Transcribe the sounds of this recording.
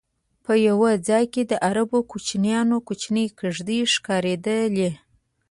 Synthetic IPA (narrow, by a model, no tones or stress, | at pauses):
pəjawad͡zɑjked̪əʔaɾabokut͡ʃnjɑnokut͡ʃnəjkəʐd̪iʂkɑɾed̪əle